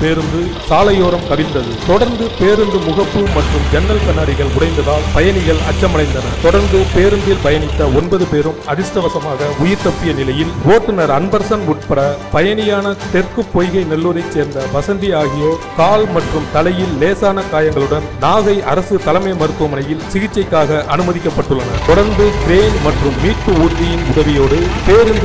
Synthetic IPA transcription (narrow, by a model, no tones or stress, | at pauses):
peːɾɯnd̪ɯsaːlɐjoːɾɐmkɐʋɪnd̪ɐðɯt̪ɔɽɐɾnd̪ɯpeːɾɯnd̪ɯmʊɣɐpːɯmɐʈrɯmd͡ʒɛnːɐlkɐnːaːɽɪɣɐɭʊɽɐɪnd̪ɐðaːlpɐjɐnɪɣɐɭɐ̰t͡ʃːɐmɐnɐɪnd̪ɐnɐt̪ɔɽɐɾnd̪ɯpeːɾɯnd̪ɪlbɐjɐnɪt̪ːɐɔnbɐðɯpeːɾɯmɐðɪsʈɐʋɐsɐmaːɣɐʊjɪɾt̪ɐpːɪjɐnɪlɐjɪlʋoːʈːɯnɐɾɐnbɐɾsɐnʊʈ̚pɐɽɐpɐjɐnɪjaːnɐt̪ɛrkɯpːɔjɣɐɪnɛlːuːɾɐɪt͡ʃseːɾnd̪ɐʋɐsɐnd̪ijaːɣɪjoːkaːlmɐʈrɯmt̪ɐlɐjɪlːeːsaːnɐkaːjɐŋɡɐɭɯɽɐnnaːɣɐɪʔɐɾɐsɯt̪ɐlɐmɐɪmɐɾɯk̪ːɯmɐnɐjɪlsɪɣɪt͡ʃːɐɪkːaːɣɐʔɐnɯmɐðɪkːɐpːɐʈːɯɭːɐnɐ̰t̪ɔɽɐɾnd̪ɯɡɾeːnmɐʈrɯmːiːʈpɯuːʈ̪ːɪjɪnʊðɐʋɪjoːɽɯpeːɾɯnd̪